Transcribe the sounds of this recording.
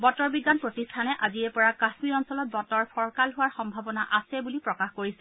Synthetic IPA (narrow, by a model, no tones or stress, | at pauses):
bɔtɔɹbidːanpɹotistʰanɛʔaziɛpɔɹakasmiɹɔnsɔlɔt̚bɔtɔɹpʰɔɹkalɦuwaɹxɔmbʱabɔna̰ʔasɛbulipɹɔkaxkoɹisɛ